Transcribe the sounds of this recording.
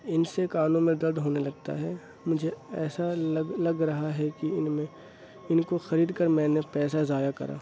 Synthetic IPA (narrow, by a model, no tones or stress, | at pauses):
ɪnsekaːnõmẽd̪ɐɾd̪ɦoːnelɐɡ̚t̪a̰ɦɛː | mʊd͡ʒʱeɛːsaɡlɐɡɾɐɦaɦɛkiɪnmẽ | ɪnkoxɐɾiːd̪kəɾmɛ̃ːnepɛːsazaːjakɐ̰ɾʔa̰ː